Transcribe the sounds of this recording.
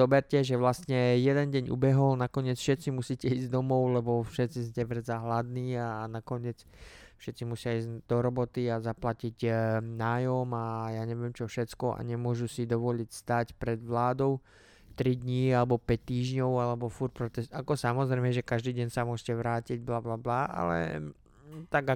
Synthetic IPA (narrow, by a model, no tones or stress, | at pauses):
ɔbɛɾcɛʒɛʋlast̪ɲɛjɛd̪ɛnɟɛɲʔṵbɛɦɔlnakɔɲɪɛt͡sfʃɛt̪t͡simusiːcɛiːzd̪ɔmɔʊlɛbɔfʃɛt̪t͡siscɛʋrd͡zaɦlad̪niːanakɔɲɪɛt͡s | fʃɛt̪t͡simusɪaiːzd̪ɔɾɔbɔt̪iazaplaciɟnaːjɔmajaːɲɛʋɪɛmt͡ʃɔfʃɛt͡skɔʔa̰ɲɛmʊɔʒusid̪ɔʋɔʎicst̪aːcpɾɛd̪ʋlaːd̪ɔʊ | t̪ɾid̪ɲialɛbɔpɛc̚t̪ːiːʒɲɔʊalɛbɔfuɾpɾɔt̪ɛsakɔsamɔzɾɛɪmɛʒɛkaʒd̪iːɟɛɲsamʊɔʒcɛʋɾaːciɟblablablaːʔa̰lɛ̰ | t̪aɡa